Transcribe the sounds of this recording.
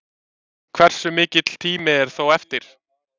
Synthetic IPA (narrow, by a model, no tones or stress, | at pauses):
kʰv̥ɛr̥sʏmɪːcɪt̪l̥t̪ʰiːmɪɛɾ̥θowɛft̪ɪɾ̥